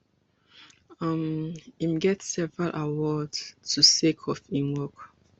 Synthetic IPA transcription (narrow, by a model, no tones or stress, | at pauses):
ʌmimɡɛtsɛvəɹalʔawɔdtʰusekʰɔfĩnwɔk